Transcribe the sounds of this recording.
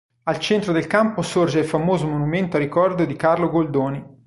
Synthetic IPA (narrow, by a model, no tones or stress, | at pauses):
alt͡ʃɛnt̪ɾod̪elkamposord͡ʒeilfamoːzomonument̪oaɾikɔrd̪od̪ikarloɡold̪oːni